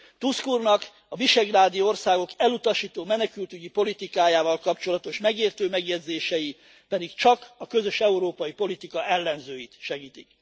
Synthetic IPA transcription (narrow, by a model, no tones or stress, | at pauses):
t̪uskurnɒk | ɒviʃɛɡraːd̪ioorsaːɡo̞kɛlut̪ɒʃiːt̪oːmɛnɛkylt̪yɟipo̞lit̪ikaːjaːvɒlkɒpt͡ʃo̞lɒt̪o̞ʃmɛɡeːrt̪øːmɛɡjɛd̪zeːʃɛji | pɛd̪ikt͡ʃɒkɒkø̞zø̞ʃɛuɾoːpɒjipo̞lit̪ikɒʔɛlːɛnzøːjit̪ʃɛɡiːt̪ik